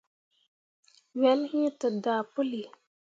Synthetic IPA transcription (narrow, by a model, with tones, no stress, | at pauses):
wɛ˨˦lhĩ˦t̪ə˨d̪aː˨pu˦li˨